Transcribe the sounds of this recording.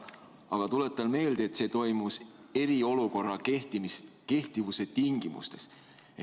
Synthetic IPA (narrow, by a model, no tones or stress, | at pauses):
ɑɡ̥ɑt̪ule̞t̪ːˑɑnme̞ːld̪̥eet̪se̞ːt̪o̞jmus | e̞ɾio̞luko̞rːɑt̪ke̞ht̪ivuse̞t̪iŋɡimṵst̪e̞s